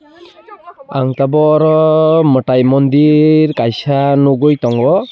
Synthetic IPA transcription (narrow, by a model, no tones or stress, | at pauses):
a̰ŋt̪abɔɾɔməʈajmɔnd̪iɾkajsanoɡojt̪ɔŋɡɔ